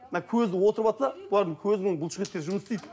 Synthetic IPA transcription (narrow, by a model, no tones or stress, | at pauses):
ənɑkʲʰɵzd̪ɪwo̞t̪əɾbɑt̪əsɑb̥ʊlˠɑɾd̪əŋkʲʰɵzɪɪŋbʊlˠʃəʁet̪̚kʲeʒʊməsst̪ijd̪ɪ